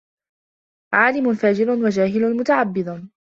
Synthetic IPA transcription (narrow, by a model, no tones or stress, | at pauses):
ʕaːlɪmʊnfaːd͡ʒɪɾʊnwad͡ʒaːɦɪlʊnmʊt̪aʕabːɪd̪ˤ